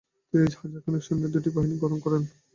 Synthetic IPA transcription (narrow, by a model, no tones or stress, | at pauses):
t̪ed͡ʑhad͡ʑaɾkʰɔnekʃɔnːed̪uʈibaɦiniɡɔɾɔnkɔɾen